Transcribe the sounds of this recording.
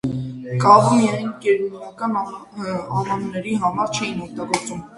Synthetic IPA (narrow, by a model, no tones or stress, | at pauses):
kɑvmijɑjnkɛɾunɑkɑn | ɑvɑnnɛɾiɦɑmɑɾt͡ʃʰɛjinɔk̚t̪ɑɡɔɾt͡sum